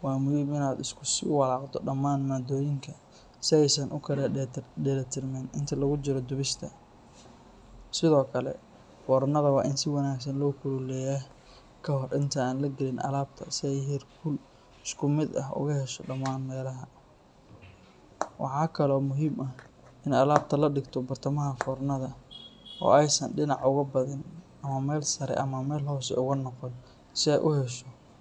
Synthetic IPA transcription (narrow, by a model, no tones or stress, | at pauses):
wɑːmʊhiːmɪnaːd̪ɪskʰʊsɪ̰wɑlɑːqd̪ɔɖɐmaːnmaːd̪ɔːjɪŋkʰɐ | sɪɛjsɐnʔʊkʰɐɾɖɛlɐt̪ʰɪrmɛnɪnt̪ʰɐlɐɣʊt͡ʃɪɾɔd̪ʊβɪʃt̪ʰɐ | sɪðɔːkʰɐlɛ̰ | bɔːɾnɐðɐwɑːʔɪnsɪwɑnaːɡs̬ɐnlɔːkʰʊlulɛjaː | kʰɐɦɔrʔɪnt̪ʰɐaːnlɐɡɪlɪnʔɐ̰laːb̚t̪ʰɐ̰sɪɛjɦɛrkʰʊl | ɪskʰʊmɪd̪ɐ̰ɦʔʊ̰ɣɐhɛʃɔɖɐmaːnmɛːlɐɦɐ | wʔɑ̰ħɑːkʰɐlɔːmʊɦiːmʔɐh | ɪnɐlaːb̚t̪ʰɐlɐɖɪɡt̪ʰɔbɐrt̪ʰɐmɐɦɐfɔːrnɐðɐɔ̰ːɛjsɐ̰nɖɪnɑʕʊɣɐbɐðɪnʔɐmɐmɛːlsɐɾɛ̰ʔɐmɐmɛːlhɔsɛ̰ʊɣʊnɔqɔn | sɪɛ̰jʔʊhɛʃɔ